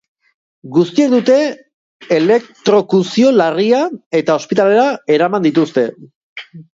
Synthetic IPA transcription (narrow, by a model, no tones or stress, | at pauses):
ɡust̪ie̞k̚d̪ut̪e̞ː | le̞kt̪ɾo̞kusio̞lariae̞t̪ao̞spit̪ale̞ɾae̞ɾamand̪it̪ust̪e̞